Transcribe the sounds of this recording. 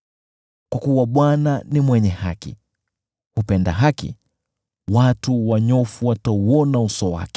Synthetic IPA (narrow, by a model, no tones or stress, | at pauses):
kwakuwaɓwananimwɛɲɛha̰kḭ | hupɛnda̰ɦakḭ | watuwaɲɔfuwatauɔnausɔwa̰kɛ̥